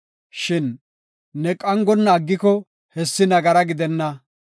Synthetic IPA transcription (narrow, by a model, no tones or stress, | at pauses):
ʃɪnː | ɛkʼɐŋɡɔnːɐːɡːɪkɔ | hɛsːɪnɐɡɐɾɐɡɪd̪ɛnːɐ